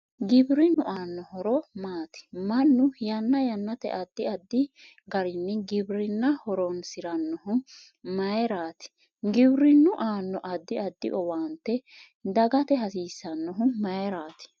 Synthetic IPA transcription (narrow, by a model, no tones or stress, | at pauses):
ɡɪbɾɪnʊʔaːnːɔhɔɾɔmaːt̪ɪ̥mɐnːʊjɐnːɐjɐnːɐt̪ɛ̰ʔɐd̪ːɪɐd̪ːɪ | ɡɐɾɪnːɛɡɪbɾɪnːɐhɔɾɔnsɪɾɐnːɔhʊ | mɐjɛɾaːt̪ɪ̥ | ɡɪbɾɪnːʊʔaːnːɔʔɐd̪ːɪɐd̪ːɪ̰ʔɔwaːnt̪ːɛ | d̪ɐɡɐt̪ɛɦɐsiːsːɐnːɔɦʊmɐjɛɾaːt̪ɪ̥